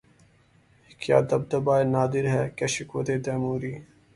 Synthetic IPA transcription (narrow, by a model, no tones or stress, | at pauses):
kja̰ːd̪ɐb̚d̪ɐbaːjnaːd̪iɾɦɛkɐɕikwɐt̪eːd̪ɐːmuːɾiː